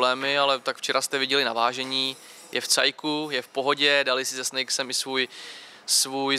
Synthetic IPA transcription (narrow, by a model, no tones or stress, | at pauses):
lɛːmɪalɛt̪akft͡ʃɛɾast̪ɛvɪɟɛlɪnavaːʒɛɲiː | jɛft͡sa̰jkujɛfpo̞ɦo̞ɟɛdalɪsɪzɛsnɛjksɛmɪsvuːj | svuːj